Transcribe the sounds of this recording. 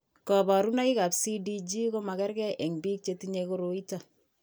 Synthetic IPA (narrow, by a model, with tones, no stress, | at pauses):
kɔ˨ba˨ɾu˦na˦i˦ka˨psi˦di˦d͡ʒi˦ko˦ma˨kɛ˦ɾkɛ˦ʔe˨ŋbi˦k̚t͡ʃe˧tiɲeko˦ɾo˨i˦ta˨